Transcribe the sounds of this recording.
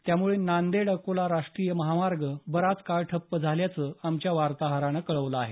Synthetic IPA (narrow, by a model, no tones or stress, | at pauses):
t̪jamuɭenand̪eɽəkolaɾaʂʈɾijəməɦamaɾɡəbəɾat͡skaɭʈʰəpːəd͡zʱaljat͡səːamt͡ɕjaʋaɾt̪aɦaɾañəkəɭəʋləaɦe